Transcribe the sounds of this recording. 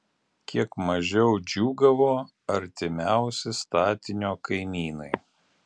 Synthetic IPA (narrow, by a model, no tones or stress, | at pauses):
kʲiɛkmɐʒʲɛʊd͡ʒʲuːɡɐʋoː | ɐɾʲt̪ʲɪmʲæˑʊsʲɪst̪ɑːt̪ʲɪnʲoːkɐɪmʲiːnɐɪ